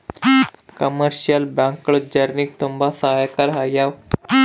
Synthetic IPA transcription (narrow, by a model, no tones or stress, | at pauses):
kəməɾɕiəlbãŋkɭud͡ʑəɾnik̚t̪umbasaɦajkəɾɦajaw